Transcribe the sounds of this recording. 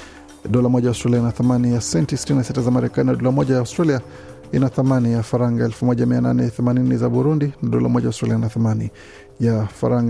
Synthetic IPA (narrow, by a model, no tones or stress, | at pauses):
ɗɔlamɔʄaʊstɾaliainaθamanijasɛntisi̥tininasitazamaɾɛkaninaɗɔlamɔʄajaʊstɾalia | inaθamanijafaɾaŋɡaɛlfumɔʄamiana̰nɛθɛmaninizaɓuɾundinaɗɔla̰mɔʄajaʊstɾaliainaθamani | jafa̰ɾaŋɡ